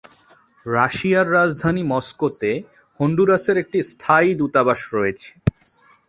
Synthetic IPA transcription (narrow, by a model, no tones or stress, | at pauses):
ɾaʃiaɾːad͡ʑd̪ʱanimɔskot̪e | hoɳɖuɾaseɾek̚ʈist̪ʰajd̪ut̪abaʃɾɔjet͡ɕʰe̥